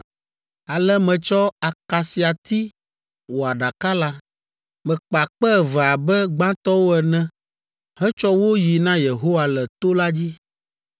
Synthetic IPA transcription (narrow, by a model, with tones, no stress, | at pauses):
a˨lɛ˦mɛ̃˨t͡ʃɔ˦a˨ka˨si˨a˨t̪i˦ | wo˨a˨ɖa˨ka˦la˦ | mɛ̃˨k͡pa˨k͡pɛ˦˨vɛ˨a˨bɛ˦ɡ͡bã˦t̪ɔ˦wo˦ɛ˨nɛ̃˦ | hɛ̃˦t͡ʃɔ˦wo˦ji˨nã˦je˨ɦo˦wa˨lɛ˨t̪o˦la˦d͡ʑi˦